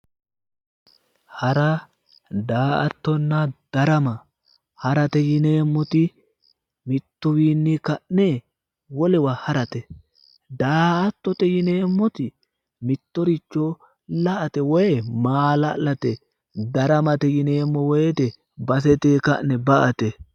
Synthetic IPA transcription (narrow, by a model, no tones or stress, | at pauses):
hɐɾɐ | d̪aːʔɐt̪ːɔnːɐd̪̥ɐɾɐmɐ | hɐɾɐt̪ɛjɪneːmːɔt̪ɪ | mɪt̪ːɔwiːnːikɐʔnɛ | wɔlɛwahɐɾɐt̪ɛ | d̪aːɐt̪ːɔt̪ɛjɪneːmːɔt̪ɪ | mɪt̪ːɔɾɪt͡ʃːɔ | lɐʔɐt̪ɛwɔjɛmaːlɐlɐt̪ɛ | d̪ɐɾɐmɐt̪ɛjɪneːmːɔwɔjɛt̪ɛ | bɐsɛt̪eːkɐ̰ʔnɛbɐʔɐt̪ɛ